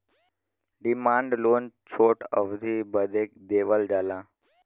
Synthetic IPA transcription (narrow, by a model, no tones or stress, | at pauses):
ɖimãɳɖloːnt͡ɕʰoʈə̰ʋd̪ʱibəd̪ʱek̚d̪eʋəld͡zala